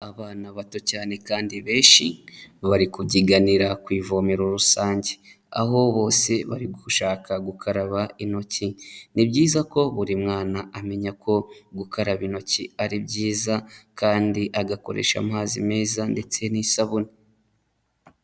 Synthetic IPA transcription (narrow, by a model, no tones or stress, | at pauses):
aβaːnaβatocaːne̞kaːndiβe̞ːʃiβaɾikubɟiɡaniɾakwiːvomiɾoɾusaːɲɟe | a̰ɦo̞βo̞ːse̞βa̰ɾiɡuʃaːkaɡukʰaɾaβaino̞cinibɟiːzako̞βuɾimŋaːnaame̞ɲakʰo̞ɡukaɾaβino̞ciaɾibɟiːzakaːndiʔaɡako̞̰ɾḛʃa̰maːzime̞ːzande̞t͡se̞nisaβuni